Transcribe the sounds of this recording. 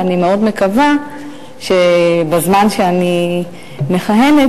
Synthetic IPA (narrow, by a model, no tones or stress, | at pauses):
animeo̞d̪me̞kava | ʃebazmanʃeani | me̞χajene